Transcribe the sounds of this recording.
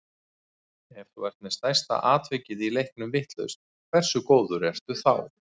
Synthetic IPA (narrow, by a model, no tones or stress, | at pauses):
ɛfθuvɛɾ̥t̪̚mɛ̥st̪ajst̪a̰ʔaːt̪vɪcɪðilejhknʏmvɪht̪lœ̰ɥst̪̚ | kʰv̥ɛr̥sʏkoːwðʏɾɛr̥t̪ʏθa̰w